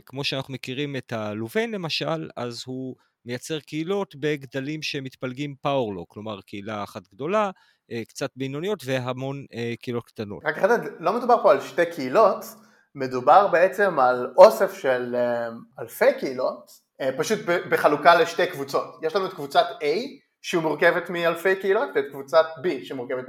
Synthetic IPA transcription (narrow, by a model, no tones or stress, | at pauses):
kmo̞ʃeanaχnumekiʁimetaluvenle̞maʃala̰zhu | me̞jat͡se̞ʁkeilo̞tbe̞ɡd̪alimʃemit̪palɡimpawoʁlo̞̰klo̞maʁkeilaːχatɡdo̞la | kt͡sat̚bejnonijo̞tve̞ɦamo̞nekeilo̞tkt̪ano̞tʁakaχededlo̞med̪ubaʁpo̞alʃtekʰeilo̞t | medubaʁbeet͡se̞malo̞sefʃelemalfejkeilo̞t | epaʃut̚bebeχalukaleʃtejkvut͡so̞tjeʃlamot̪kvut͡satej | ʃeumuʁkevet̪mialfe̞jkeilot̪tetkvut͡sat̚biʃemuʁkevet